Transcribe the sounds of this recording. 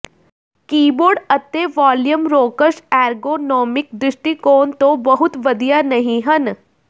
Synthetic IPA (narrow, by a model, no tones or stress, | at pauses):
kiːboːɾɖɐt̪ːeʋaːljəmɾoːkəɾʃɛːɾɡoːnɔːmɪk̚d̪ɾɪʃʈikoːnt̪õbɐɦʊt̪ʋɐd̪ijanɐɦĩɦɐn